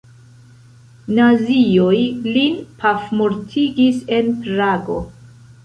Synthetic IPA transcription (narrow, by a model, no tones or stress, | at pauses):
naziojlinpʰafmuɾtʰiɡise̞npɾaɡo̞̰